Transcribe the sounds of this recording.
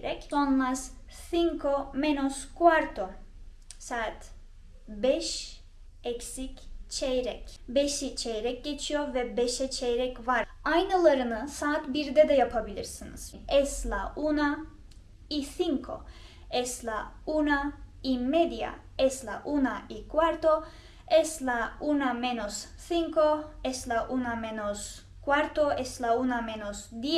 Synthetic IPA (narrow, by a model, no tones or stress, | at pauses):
ɾɛconlˠassiŋkʰomenoskʰuaɾt̪ʰo | saːt̪ | bɛʃ | ɛcsict͡ʃʰɛjɾɛcbeʃit͡ʃʰejɾɛc̚ɟe̞t͡ʃʰijoɾvɛbeʃɛt͡ʃʰejɾɛcvaɾajnɯlˠaɾɯnɯsaːt̪biɾd̪ɛd̪ɛjapʰabilʲiɾsiniz̥nɛslˠaʔuna | isiŋkʰo̰ | eslaunaimed̪ja̰ | eslaʔunaʔikwaɾt̪o | eslaunamenos | θiŋkoeslaʔunamenos | kʰwaɾt̪oʔeslaunamenosd̪e